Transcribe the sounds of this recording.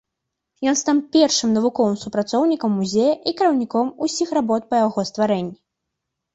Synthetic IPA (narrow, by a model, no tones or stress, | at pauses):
jɔnst̪ampʲɛrʂɨmnɐvukɔvɨmsupɾat̪sɔwnʲikɐmːuzʲejɐʔikʲɐɾɐwnʲikɔmusʲixrabɔt̪̚pɐjaɣɔst̪vaɾɛnʲːi